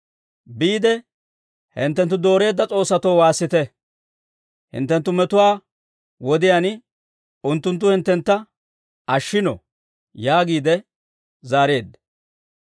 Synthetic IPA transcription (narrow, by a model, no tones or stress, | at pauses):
biːd̪ɛ | hɪnt̪ːɛnt̪ːʊd̪o̞ːɾe̞ːd̪ːɐt͡sʼo̞ːsːɐt̪ɔwwaːsːɪt̪ɛ | hɪ̰nt̪ːɛnt̪ːʊmɛt̪ʊwaː | wɔd̪ɪjan | ʊnt̪ːʊnt̪ːʊhɪnt̪ːɛnt̪ːɐ | ʔɐʃːɪnɔ̰ | jaːɡiːd̪ɛ | zaːɾe̞ːd̪ːɐ